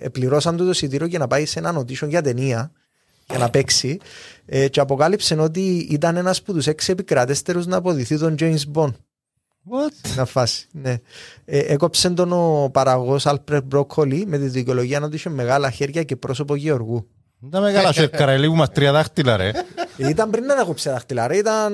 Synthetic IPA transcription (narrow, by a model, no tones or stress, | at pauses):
ḛpliɾo̞sɐnt̪ut̪o̞sit̪iɾoce̞nɐpaise̞nɐno̞t̪̬iʃoɲʝɐt̪e̞niɐ | jɐnɐpe̞ksiet͡ʃeɐpo̞kalipse̞no̞t̪̬iit̪ɐne̞nɐsput̪use̞ksiepikɾɐt̪est̪e̞ɾuznɐːp̬o̞ðiθit̪o̞nd͡ʒejnsbo̞n | ot̪nɐfɐsi̥ne̞eʔeko̞pse̞nt̪o̞nopɐɾaɣosalpɾebɾokʰːolime̞t̪iðicoloʝiɐnot̪̬iʃomːe̞ɣalɐçe̞ɾʝɐce̞pɾo̞so̞poʝio̞ɾɣu | nd̪ɐmeɣɐlɐʃuekːɐɾɐelipumɐst̪ɾiɐðɐxt̪ilɐɾḛit̪ɐmbɾinːɐnakopsiɐðɐxt̪ilɐɾeit̪ɐn